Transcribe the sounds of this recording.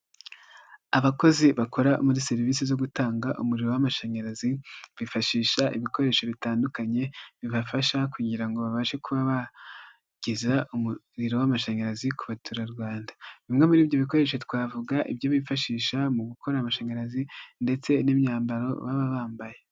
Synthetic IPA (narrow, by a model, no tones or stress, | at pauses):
aβako̞ziβako̞ɾaʔṵmuɾise̞ɾiviːsizo̞ɡutaːŋɡaʔumuɾiɾo̞wamaʃaɲaɾaziβifaʃiːʃaʔḭβiko̞ɾe̞ːʃo̞βitaːndukaɲe̞βiβafaʃakuːɲɟiɾaŋɡo̞βaβaʃe̞kuβaβa | ɟ̥izaʔumu | ɾiɾo̞wamaʃaɲaɾazikuβatuɾaɾɡwaːndḁβimŋe̞muɾiːbjo̞βiko̞ɾe̞ʃo̞twaːvuɡaʔḭbjo̞βifaʃiːʃamuɡukʰo̞ɾaːmaʃaɲaɾazinde̞t͡se̞nimɲaːmbaɾo̞̰βaβaβaːmbaje